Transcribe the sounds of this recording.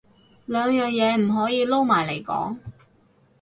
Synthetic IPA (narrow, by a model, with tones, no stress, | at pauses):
lœː˨˧ŋjœː˨ŋjɛː˨˧m̩˨˩ɦɔː˨˥jiː˨˧lo˥wmaː˨˩jle˨˩jkɔ̰ː˨˥ŋ